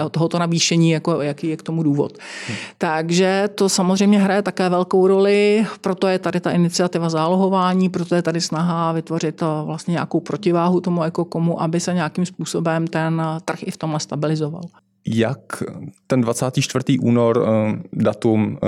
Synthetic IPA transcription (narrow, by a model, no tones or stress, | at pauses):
ot̪oɦot̪o̞naviːʃɛɲiːjako̞jakiːjɛkt̪o̞muduːvo̰t̪t̪aɡʒɛt̪o̞samozrɛjmɲɛɦɾajɛt̪akɛːvɛlko̞wɾo̞lɪpɾo̞t̪o̞jɛt̪adɪt̪aʔɪnɪt͡sɪat̪ɪvazaːloɦo̞vaːɲiːpɾot̪ojɛt̪adɪsnaɦavɪt̪vo̞rɪt̪vlast̪ɲɛɲako̞wpɾo̞cɪvaːɦut̪o̞mujako̞ko̞muʔabɪsɛɲeakimspuːso̞bɛmt̪ɛnt̪r̩xɪft̪o̞mlɛst̪abɪlɪzova̰l | jakt̪ɛndvat͡saːt̪iːt͡ʃt̪vr̩t̪iːʔṵːnoɾdat̪um